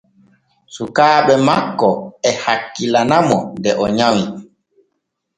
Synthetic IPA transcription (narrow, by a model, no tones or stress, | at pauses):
sukaːɓɛmakːɔɛhakːilanamɔdɛʔɔɲawi